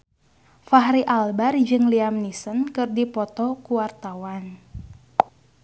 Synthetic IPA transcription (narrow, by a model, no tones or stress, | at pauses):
faɦɾiʔalbard͡ʒɨŋliamnisənkɨrdipɔt̪ɔkuwart̪awan